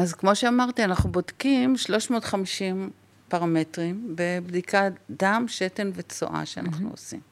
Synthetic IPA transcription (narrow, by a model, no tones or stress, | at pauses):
azkmo̞ʃeamaʁt̪ianaχnubodkimʃlo̞ʃmo̞ːtχamiʃim | paʁame̞tʁimbe̞bdikadamʃete̞nvet͡so̰ʔa̰ʃea̰na̰χnṵo̰sḭm